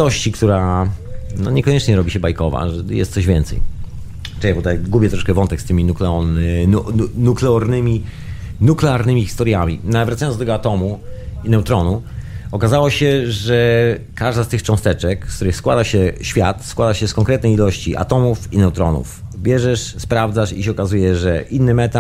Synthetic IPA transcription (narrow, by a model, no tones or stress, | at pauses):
ɔɕt͡ɕikt̪uɾa | nɔ̰ɲɛkɔɲɛt͡ʂɲɛɾɔbʲiɕɛbajkɔva̰ʐɛjɛ̰st̪sɔʑvʲjɛnt̪sɛ̰j | t͡ʂɛjɛbɔt̪ajɡubʲjɛt̪ɾɔʂkɛvɔnt̪ɛkst̪ɘmʲinuklɛɔ | nuklɛɔɾnɘmʲi | nuklɛaɾnɘmʲixʲi̥st̪ɔɾʲjamʲḭnavɾat̪sajɔnɔt̪ɛɡɔat̪ɔmuinɛwt̪ɾɔnuɔkazawɔɕɛʐɛkaʐd̪ast̪ɘxt͡ʂɔ̃w̃st̪ɛt͡ʂɛkst̪uɾɘxskwad̪aɕɛɕfʲjat̪skwad̪aɕɛskɔŋkɾɛt̪nɛjilɔɕt͡ɕiʔa̰t̪ɔmufinɛwt̪ɾɔ̰nṵfbʲjɛʐɛʂspɾavd̪zaʂiɕɛɔkazujɛʐɛʔinːɘmɛt̪a